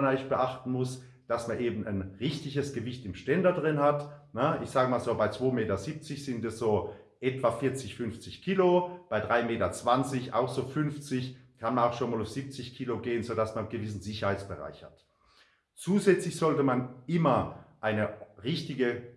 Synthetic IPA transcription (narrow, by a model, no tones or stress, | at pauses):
nʔaɪç̚b̥əʔaχtn̩mʊs | d̥asmanʔeːbm̩anʁɪçtɪçəsɡ̥əvɪçtɪmʃtɛndɐdʁɪnhatnəʔɪ̰çz̥aːɡəmaːlzoːbaɪt͡sv̥oːmeːtɐzip̚t͡sɪçz̥ɪntɛsz̥oːʔɛtv̥afɪɐt͡sɪçfʏnft͡sɪçkʰiːlob̥aɪdʁaɪmeːtɐt͡sv̥ant͡sɪçʔa̰ʊxz̥oːfʏnft͡sɪçkʰanmanaʊxʃoːnmaːlaʊfz̥ip̚t͡sɪçkʰiːloɡeːənzodasmannɡəvɪs̬n̩zɪçɐhaɪt͡sb̥əʁa̰ɪçha̰t | t͡suːzɛt͡slɪçz̥ɔltəmanʔɪmɐʔaɪnəʁɪçtɪɡə